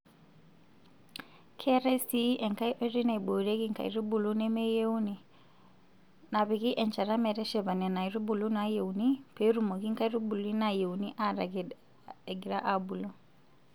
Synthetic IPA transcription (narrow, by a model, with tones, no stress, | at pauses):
kʰɛ˦ɾɛ˦si˦ʔɛ˨ŋka˦i˦ʔɛ˦ɾi˦na˨i˨bo˨ɾɛ˦ɣi˦ŋka̰˨ḭ˨ɾu˦bu˨lu˦nɛ˦mɛ˦je˦u˦ni˨ | na˨βi˨ɣi˦ʔɛ˨nt͡ʃa˨ɾa˦mɛ˨ɾɛ˦ʃɛ˨βa˨nɛ˨na˨i˨ɾu˦bu˨lu˦na˦je˨u˨ni˦pe˨˦ɾu˨mo˨ɣi˦ŋka˦i˦ɾu˦bu˨li˦na˨je˨uni˦ʔa˦ɾa˨ɡ | ɛ˨ɡi˨ɾa˦ʔa˨bu˨lu˦